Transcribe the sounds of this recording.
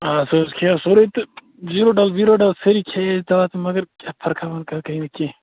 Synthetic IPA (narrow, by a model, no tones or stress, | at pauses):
asozkʰeɐsoɾet̪ɨ | ziɾoɖɐlziɾoɖɐlsɐɾikʰed̪ɐʋaːt̪mɐɡəɾkʲapʰɐɾkʰabɐnkɐkɐɦinɐkẽ